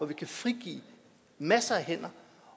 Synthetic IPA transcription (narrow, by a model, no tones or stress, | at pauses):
ɒʋikʰæfʁiɡ̥ḭː | mæsɐæɦen̰ɐ